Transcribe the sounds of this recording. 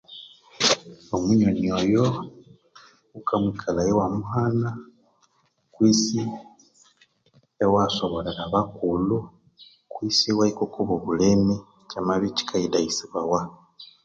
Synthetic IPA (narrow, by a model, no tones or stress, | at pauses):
omuɲoniojo | ukamikʰalajewamuhana | kwiːsi | ewaso̞βoleɾaβakulu | kwisiwaikokuβoβuleme | camaβici̥kʰaidajisiβawa